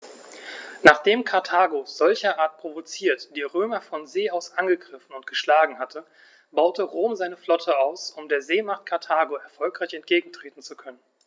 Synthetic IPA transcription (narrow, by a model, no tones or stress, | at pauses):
naːχd̥eːmkʰaɐtʰaːɡoz̥ɔlçɐʔaːɐt̚pʁ̥ovot͡siːɐtd̥iːʁøːmɐfɔnzeːaʊsʔanɡəɡʁɪfn̩ʊntɡ̥əʃlaːɡŋ̩hatʰə | baʊtəʁoːmzaɪnəflɔtʰəaʊsʊmdeːɐzeːmaχt̚kʰaɐtʰaːɡoɛɐfɔlkʁ̥aɪçɛnt̚ɡ̥eːɡŋ̩tʁ̥eːtn̩t͡sukʰœnən